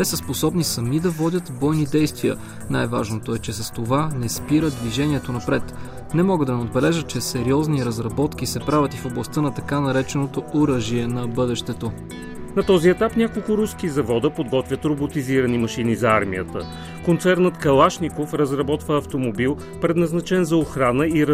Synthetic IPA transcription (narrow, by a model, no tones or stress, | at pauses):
t̪ɛsəsposɔbnisɐmid̪ɐvɔdʲət̪bɔjnid̪ɛjst̪vijə̰ | najvaʒnot̪oɛt͡ʃɛsɐst̪ovanɛspiɾəd̪d̪viʒɛniɛt̪onɐpɾɛt̪ | nɛmɔɡəd̪ɐnɛod̪bɛlɛʒət̪̚t͡ʃɛsɛɾiɔzniɾɐzɾɐbɔt̪k̟isɛpɾavʲət̪ifoblˠɐst̪ɤnɐt̪ɐkanɐɾɛt͡ʃɛnot̪ooɾəʒiɛnɐbɤd̪ɛʃt̪ɛt̪o | nɐt̪ɔziɛt̪apnʲakolˠkʊɾuskizɐvɔd̪əpod̪ɡɔt̪vʲjət̪ɾobot̪iziɾənimɐʃinizɐaɾmiət̪ə | kont̪sɛɾnət̪kɐlˠaʃnikofɾəzɾɐbɔt̪vəːft̪omobilˠ | pɾɛd̪nɐznɐt͡ʃɛnzɐoxɾanəiɾ